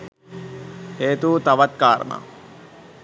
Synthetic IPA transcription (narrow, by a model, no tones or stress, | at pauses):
heːt̪uːt̪aʋat̪̚kaːɾɐ̰na̰ː